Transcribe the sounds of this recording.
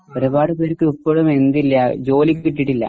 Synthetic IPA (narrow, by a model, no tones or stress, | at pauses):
oɾubaːɽupeːɾkːɨupːoɭume̞nd̪ilːɐd͡ʑo̞ːlikʲːiʈːiʈːilːɐ̰